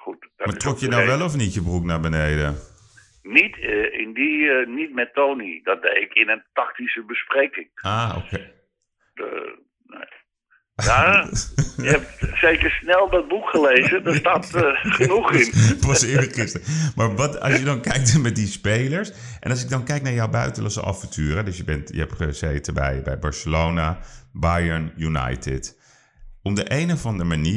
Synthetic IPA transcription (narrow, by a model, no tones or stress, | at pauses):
xutdmaɹtrɔkjənawʋɛlˠɔfnitjəbruknabənejdə̰ | nitɪndinit̚mɛtoːnidɔt̚dejɪkʰɪnəntɑktisəbəsprekɪŋaːo̰kː | ne | ja | əɛp̚sejkəɹsnɛlˠdɔt̚bukχəleːzədəsstatχənuχɪnpɑsɪːɹəχɪstəɹmaːɹʋɑtɑ̰sjədɑnkɛjk̚tmɛt̚dispejləɹs | ʔɛ̰nɑs̬ɪɡ̚dɑnkɛjk̚naːɹjɔwbœ̰ɥtəlɑsə̰ʔɑ̰fəntʰyːɾədɵsjəbɛntjə̰ɦɛpχəsɛjtəbɛ̰jbɛ̰jbɑɹsəlownabajənjuna̰jtɪ̰t | ɔmdəʔejnəvɑndəmaniː